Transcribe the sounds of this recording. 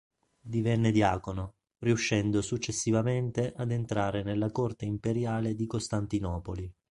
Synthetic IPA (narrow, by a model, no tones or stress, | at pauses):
d̪ivɛnːed̪jaːkono | riuʃːɛnd̪osut͡ʃːesːivament̪eʔad̪ent̪ɾaːɾenelːakort̪eimpeɾjaːled̪ikost̪ant̪inɔːpoli